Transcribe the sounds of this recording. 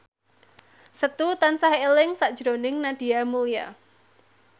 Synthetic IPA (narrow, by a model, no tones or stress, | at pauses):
sət̪ut̪ansaɦelɪŋsaʔd̥ʒ̥ɾonɪŋnad̥ijamulija